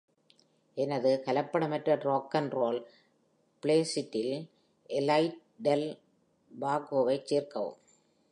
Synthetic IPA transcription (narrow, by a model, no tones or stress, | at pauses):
ʔɛnɐðɯkɐlɐpːɐɽɐmɐʈrɐɖɾoːkːɐnɾoːl | pleːsɪʈːɪl | ʔɛlɐɪʈ̚ | ɖɛl | baːɡoːʋɐɪt͡ʃːeːrkɐʋɯ̰m